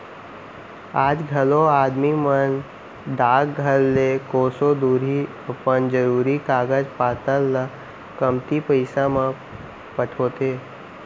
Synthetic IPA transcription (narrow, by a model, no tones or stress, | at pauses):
aːd͡ʒɡʱɐloaːd̪mimən | d̪aːɡɡʱəlːekoːsod̪uːɾi | əpənd͡ʒəɾuːɾikaːɡəd͡ʒpaːt̪əlː | kəmt̪ipəɪsãmã | pəʈʰoːt̪eː